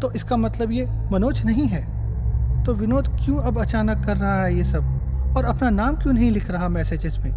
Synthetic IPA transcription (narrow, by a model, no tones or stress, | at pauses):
t̪oːʔɪskamɐt̪ləbjemɐnoːt͡ʃnɐɦĩɦɛː | t̪oʋɪnoːd̪kjũɐbɐt͡ʃaːnəkːɐɾːɐɦaɦɛjesɐb̚ɔːɾɐpnanaːmkjũːnɐɦĩlɪkʰɾɐɦamɛːsed͡ʒɪzmẽː